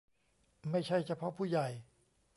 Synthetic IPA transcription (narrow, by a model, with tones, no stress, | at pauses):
ma˥˩jt͡ɕʰa˥˩jt͡ɕʰa˧˩pʰɔ˦˥pʰuː˥˩ja˨˩j